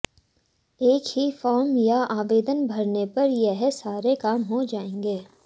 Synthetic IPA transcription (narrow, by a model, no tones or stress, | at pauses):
eːkhifɔːɾmjaaːʋeːd̪ənbʱɐɾnepɐɾjɛɦɛsaːɾekaːmɦod͡ʒaːẽːŋɡeː